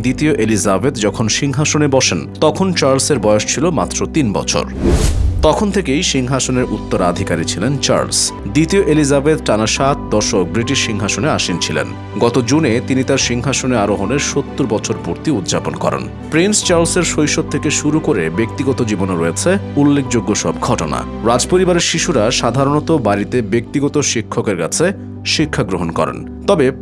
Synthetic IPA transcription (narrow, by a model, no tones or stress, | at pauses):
d̪it̪ioʔelizabed̪d͡ʑɔkʰonʃiŋɦaʃonebɔʃent̪ɔkʰont͡ɕaɾlseɾbɔjoʃt͡ɕʰilomat̪ːɾot̪inbɔ̰t͡ɕʰo̰ɾt̪ɔkʰont̪ʰekejʃiŋɦaʃoneɾʔut̪ːoɾa̰d̪ʱikaɾit͡ɕʰilent͡ɕa̰ɾlsd̪it̪ioʔelizabed̪ʈanaʃat̪d̪ɔɾʃok̚bɾiʈiʃːiŋɦaʃoneaʃint͡ɕʰilḛn | ɡɔt̪od͡ʑunet̪init̪aɾʃiŋɦaʃoneaɾoɦoneɾʃot̪ːuɾbɔt͡ɕʰoɾpuɾt̪iud̪d͡ʑaponkɔ̰ɾḛn | pɾinst͡ɕaɾlseɾʃojʃod̪t̪ʰekeʃuɾukoɾebek̚t̪iɡɔt̪od͡ʑibonoɾojet͡ɕʰeulːekʰd͡ʑoɡːoʃɔb̚ɡʱɔʈona̰ | ɾad͡ʑpoɾibaɾeɾʃiʃuɾaʃad̪ʱaɾonɔt̪obaɾit̪ebek̚t̪iɡɔt̪oʃikʰːokeɾka̰t͡ɕʰe | ʃikʰːaɡɾoɦonkɔ̰ɾḛn | t̪ɔbe